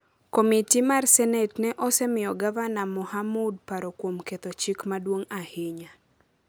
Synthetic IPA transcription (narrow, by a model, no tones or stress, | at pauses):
komitimarsɛnɛtnɛʔɔsɛmɪjɔɡavanamɔhamud̚paɾɔkwomket̪ot͡ʃikmadwoŋahɪɲa